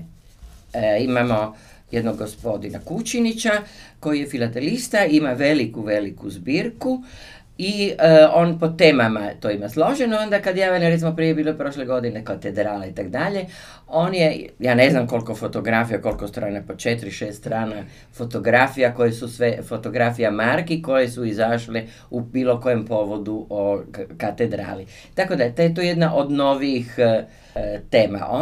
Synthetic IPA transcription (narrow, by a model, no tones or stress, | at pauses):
imamo̞ | jed̪noɡːospo̞d̪ina̰kut͡ʃinit͡ɕako̞jije̞filat̪elist̪aimaʋelikuʋelikuzbiːɾku | io̞ːnpo̞t̪eːmamat̪o̞imaslo̞ʒenoond̪akad̪jaːʋaniɾet̪simopɾiːebiːlopɾo̞ʃleɡo̞d̪inekat̪ed̪ɾaːlait̪akd̪aʎe̞ | o̞ːnjejaːne̞znamko̞lkofot̪o̞ɡɾafijako̞lkost̪ɾaːnapot͡ʃet̪ɾiʃeːst̪t̪ɾaːna | fo̞t̪o̞ɡɾafijako̞jesusʋefo̞t̪o̞ɡɾafijamaɾkiko̞je̞suizaʃle | ubiːlo̞ko̞jempo̞ʋo̞d̪uʔokat̪ed̪ɾa̰ːli | t̪akod̪aʎet̪ojet̪ojed̪naʔo̞d̪no̞ʋiix | t̪e̞ːma̰ʔo